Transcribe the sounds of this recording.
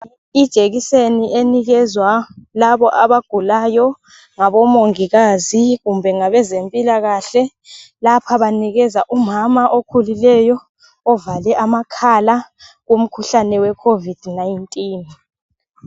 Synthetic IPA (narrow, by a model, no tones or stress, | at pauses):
id̥ʒ̥ʱeɣiseniʔeniɣɛzwalaβɔʔaβaɡ̥ʱulajɔ | ŋaβɔmoŋiɣaziɣumbʱɛŋaβɛzempʼilaɣaɬɛ | lapʰaβaniɣɛzaʔumamaʔokʰulilɛjɔː | valɛʔamakʰalaɣom̩kʰuɬanɛwɛkʰovid̥najintʼiːn